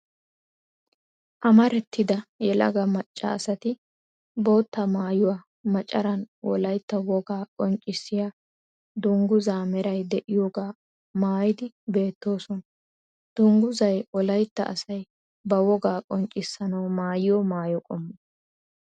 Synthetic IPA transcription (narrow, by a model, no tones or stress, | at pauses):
ʔɐmɐɾɛt̪ʰːɪd̪ɐjɛlɐ̰ɡɐmɐt͡ʃʼːɐ̰ːsɐt̪ɪ | bo̞ːt̪ːɐmaːjʊwa | mɐt͡ʃʼɐɾɐnwʔɔ̰lɐjt̪ːɐwɔɡaːkʼɔnt͡ʃʼːɪsːɪja | d̪ʊŋɡʊzaːmɛɾɐjd̪ɛʔɪjoɡaː | maːjɪd̪ɪ | be̞ːt̪ːo̞ːsɔn | d̪̥ʊŋɡʊzɐjɔlɐjt̪ːɐ̰ʔɐ̰sɐj | bɐwɔɡaːkʼɔnt͡ʃʼːɪsːɐnɐwmaːjɪjɔmaːjɔkʼɔmːɔ